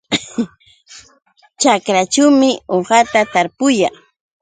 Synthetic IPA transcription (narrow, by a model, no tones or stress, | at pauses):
t͡ʃakɾat͡ʃawmɪoɴɢɑt̪at̪aɾpʊjɑŋ